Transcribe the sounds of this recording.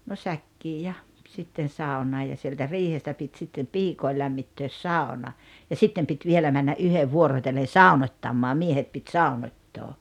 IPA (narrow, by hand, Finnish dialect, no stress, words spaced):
no sækːiː jɑ sitːen̞ sɑˑunˑɑː jɑ sieltæ riːhestæ pit sitːem piːkoi læmːitːøːs sɑˑonɑ jɑ sitːem pit ʋielæ mænːɑ ʔyheʋ ʋuorotelːen̞ sɑˑunotʲːɑmːɑː miehet pit sɑˑunotʲːoː